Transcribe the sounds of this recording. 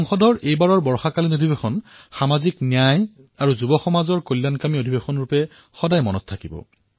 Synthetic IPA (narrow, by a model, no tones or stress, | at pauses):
ɔŋxɔdʱɔɹejbaɹɔɹbɔɹxakalinodʱibexɔnxamaziknjaj | aɹuzubɔxɔmazɔɹkojlːankamiodʱibexɔnɹupɛ | xɔdajmɔnɔtʰːakibɔ̰